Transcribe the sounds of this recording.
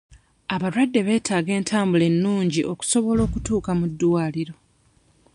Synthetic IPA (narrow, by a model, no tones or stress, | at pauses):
aβaɾwadːe̞βe̞ːtʰaːɡe̞ːntʰaːmbule̞nːuːɲɟiʔo̞ku̥so̞βo̞lo̞ːkutuːkamudːuwaːliɾo̞